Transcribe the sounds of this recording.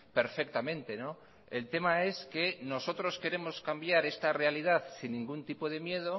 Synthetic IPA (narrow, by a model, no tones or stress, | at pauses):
pe̞ɾfe̞k̚t̪amẽnt̪e̞no̞ | e̞lt̪e̞mae̞ske̞no̞so̞t̪ɾo̞ske̞ɾe̞mo̞skambjaɾe̞st̪are̞aliðaθsinːĩŋɡunt̪ipo̞ð̞e̞mje̞ð̞o̞